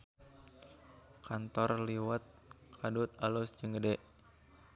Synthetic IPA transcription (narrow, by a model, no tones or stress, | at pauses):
kʰant̪ɔrliwət̪̚kʰadut̪alusd͡ʒəŋɡədɛʔ